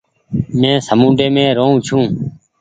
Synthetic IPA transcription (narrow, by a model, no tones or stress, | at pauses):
mẽːsəmũːɖeːmẽːɾoːũːt͡ʃʰũː